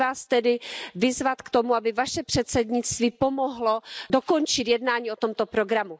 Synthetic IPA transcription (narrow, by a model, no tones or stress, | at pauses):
vaːst̪ɛdɪvɪzvat̪kt̪o̞muabɪvaʃɛpr̥ɛt̪sɛd̪ɲɪt͡st̪viːpo̞moɦlo̞do̞ko̞nt͡ʃɪt̪jɛdnaːɲiːo̞t̪o̞mt̪o̞pɾo̞ɡɾamu